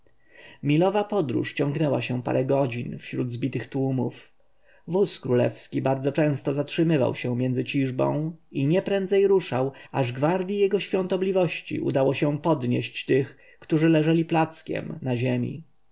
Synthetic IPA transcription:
mʲilɔvapɔd̪ɾṵʂt͡ɕɔ̃ŋɡnɛwaɕɛpa̰ɾɛɡɔd͡ʑinfɕɾud̪zbʲit̪ɘxt̪wumuf | vuskɾulɛ̰fskʲibaɾd̪zɔt͡ʂɛ̃w̃st̪ɔzatʂɘmɘva̰wɕɛ̃mʲjɛnd̪zɘt͡ɕiʐbɔ̰̃w̃iɲɛpɾɛnd̪zɛjɾuʂawaʐɡvaɾd̪ʲjijɛɡɔɕfʲjɔ̃nt̪ɔblʲivɔɕt͡ɕḭʔṵd̪awɔɕɛpɔd̪ɲeɕt͡ɕt̪ɘx | kt̪uʐɘlɛʐɛlʲiplat̪skʲɛ̰mnaʑemʲḭ

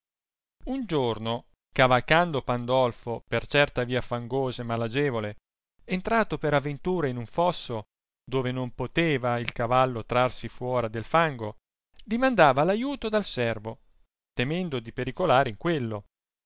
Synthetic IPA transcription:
und͡ʒorno | kavalkand̪opand̪ɔlfopert͡ʃɛrt̪aviːafaŋɡoːzaemalad͡ʒeːvole | ent̪ɾaːt̪opeɾavːent̪uːɾainuɱfɔsːo | d̪oːvenompot̪eːvailkavalːot̪ɾarsifwɔːɾad̪elfaŋɡo | d̪imand̪aːvalajuːt̪od̪alsɛrvo | t̪emɛnd̪od̪ipeɾikolaːɾeiŋkwelːo

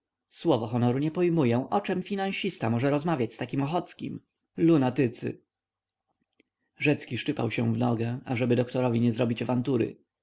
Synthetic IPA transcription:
swɔvɔxɔnɔɾuɲɛpɔjmujɛ̃ʔɔt͡ʂɛmfʲinãɕist̪amɔʐɛɾɔzmavʲjat͡ɕst̪akʲimɔxɔt̪skʲḭm | lunat̪ɘt̪sɘ̰ | ʐɛt̪skʲiʂt͡ʂɘpa̰wɕɛ̃vnɔɡɛaʐɛbɘd̪ɔkt̪ɔɾɔvʲiɲɛzɾɔbʲit͡ɕavant̪uɾɘ̰

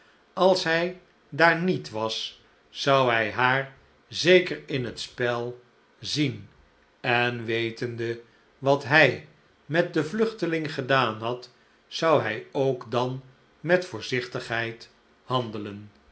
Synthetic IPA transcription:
ɑlˠsɦɛj | daːɹnitʋɑsː | ɑwɦɛjɦaːɹ | zejkəɹɪnɦətspɛlˠ | zin | ɛnʋejtəndə | ʋɑtɦɛj | mɛt̚dəvlɵχtəlɪŋχədaːnɦɑt | sɑwɦɛjowkdɑn | mɛtfʊːɹzɪχtəχɦɛjt | hɑndələn

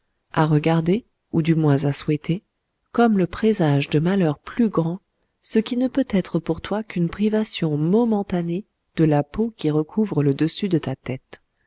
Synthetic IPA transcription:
aʁəɡaʁd̪e | ud̪ymwɛ̃zaswɛt̪e | kɔmləpχezaʒd̪əmalœʁplyɡʁɑ̃ | səkʲinəpøt̪ɛt̪χəpuʁt̪wakynpχivasjɔ̃mɔmɑ̃t̪ane | d̪̥əlapokʲiʁəkʰuvʁələd̪əsyd̪ət̪at̪ɛt̪

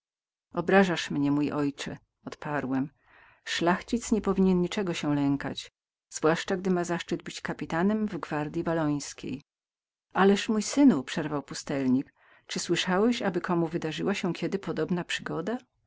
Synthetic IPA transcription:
ɔbɾaʐaʂmɲɛmujʔɔjt͡ʂɛ | ɔt̪paɾwɛm | ʂlaxt͡ɕit̪sɲɛpɔvʲiɲɛnɲit͡ʂɛɡɔɕɛlɛŋka̰t͡ɕ | z̥vwaʂt͡ʂaɡd̪ɘmazaʂt͡ʂɘd̪̚bɘt͡ɕkapʲit̪anɛmvɡvaɾd̪ʲjivalɔj̃skʲḛj | alɛʂmujsɘnupʂɛɾvawpust̪ɛlɲik | t͡ʂɘswɘʂawɛɕabɘkʰɔmuvɘd̪aʐɘwaɕɛkʲʰɛd̪ɘpɔd̪ɔbnapʂɘɡɔd̪a

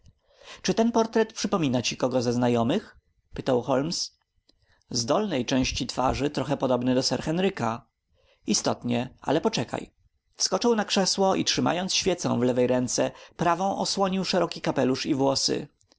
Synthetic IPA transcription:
t͡ʂɘt̪ɛnpɔɾt̪ɾɛt̪pʂɘpɔmʲinat͡ɕikɔɡɔzaznajɔmɘx | pɘt̪awxɔlms | zd̪ɔlnɛjt͡ʂɛ̃w̃ɕt͡ɕit̪fa̰ʐɘt̪ɾɔxɛpɔd̪ɔbnɘd̪ɔsɛɾxɛnɾɘka | ist̪ɔt̪ɲɛa̰lɛpɔt͡ʂɛka̰j | fskɔt͡ʂɨwnakʂɛswɔʔḭtʂɘma̰jɔnt̪sɕfʲjɛt̪sɔ̰̃w̃vlɛvɛjɾɛnt̪sɛpɾavɔ̃w̃ʔɔswɔɲiwʂɛɾɔkʲikapɛluʂivwɔsɘ̰

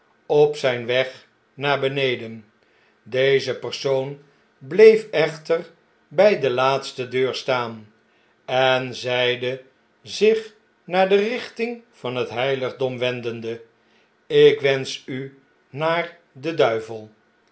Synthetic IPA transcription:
ɔpsɛjnʋɛχ | naːɹbənejdən | dejzəpəɹsown | blejfɛχtər | bɛjdəlaːtstədøːɹstaːn | ɛnzɛjdə | zɪχ | naːɹdərɪχtɪŋv̥ɑnɦətɦɛjləχdɔmʋɛndəndə | ɪkʋɛnsy | naːɹ | dədœɥvəlˠ

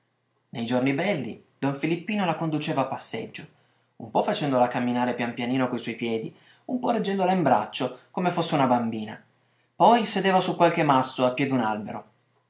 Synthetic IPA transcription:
nejd͡ʒornibɛlːḭd̪ɔɱfilipːiːnolakond̪ut͡ʃeːvaːpːasːed͡ʒːo | umpɔfːat͡ʃɛnd̪olakamːinaːɾepjampjaniːnokoiswɔjpjɛːd̪i | umpɔred͡ʒːɛnd̪olaimbɾa̰t͡ʃːokomefosːeunabambiːna | pɔjsed̪eːvasukːwalkemasːoapːjɛːd̪unalbeɾo

